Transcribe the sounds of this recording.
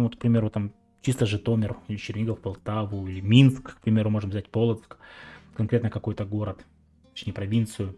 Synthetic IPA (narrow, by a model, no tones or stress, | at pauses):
vot̪k̚pɾʲɪmʲe̞ɾʊt̪am | t͡ɕist̪əʐɨt̪o̞mʲɪrilʲɪt͡ɕɪrʲnʲiɡəfpɐlˠt̪avʊilʲɪmʲinskkpɾʲɪmʲe̞ɾʊmo̞ʐɨmvzʲætʲpo̞lˠət̪skkɐnkɾʲet̪nəkɐko̞jt̪əɡo̞ɾət̪ | t̪ɐ̥t͡ɕnʲejəpɾɐvʲint̪sɨjʊ